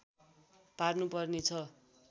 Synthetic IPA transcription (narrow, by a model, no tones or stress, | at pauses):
parnupʌrnet͡sʰʌ